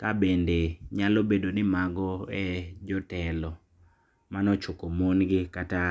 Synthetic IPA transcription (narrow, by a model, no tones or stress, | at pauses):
kabendeɲalobedonɪmaɡɔɛd͡ʒɔtɛlɔ | manɔt͡ʃokomonɡɪkata